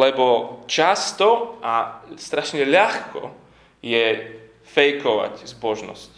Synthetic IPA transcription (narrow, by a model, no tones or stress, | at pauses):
lɛbɔt͡ʃast̪ɔʔast̪ɾaʃɲɛʎaxkɔ̰ | jɛ | fɛjkɔʋa̰czbɔʒnɔ̰sc